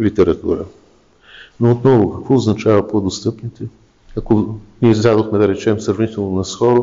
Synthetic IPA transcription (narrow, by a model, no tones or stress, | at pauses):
lit̪ɛɾɐt̪ṵɾə̰ | noːt̪nɔvokɐkvɔʊznɐt͡ʃavəpod̪ost̪ɤpnit̪ɛ | ɐkoniɛzd̪ad̪oxmɛd̪ɐɾɛt͡ʃɛmsɾɐvnit̪ɛlˠnonɐsxɔɾo